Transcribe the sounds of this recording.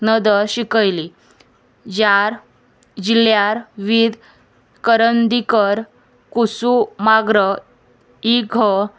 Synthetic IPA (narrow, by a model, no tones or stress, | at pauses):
nəd̪əɾɕikəjli | d͡ʑaɾ | d͡ʑiljaɾʋid̪ | kəɾənd̪ikəɾ | kusumaɡɾə | iɡʱə